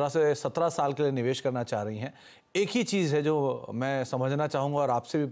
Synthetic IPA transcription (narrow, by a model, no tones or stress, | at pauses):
ɾasesɐt̪ɾasaːlkelienɪʋeːʃkɐɾnat͡ʃaːɦɾɐɦiɦɛ̃ː | eːkɦit͡ʃiːzɦɛd͡ʒoːmɛ̃ːsɐməd͡ʒʱnat͡ʃaːɦũːŋɡaɔːɾaːpsebʱi